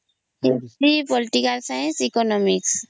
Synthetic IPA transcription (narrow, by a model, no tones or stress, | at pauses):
iɾipɔlʈikalsajnsikɔnɔmiks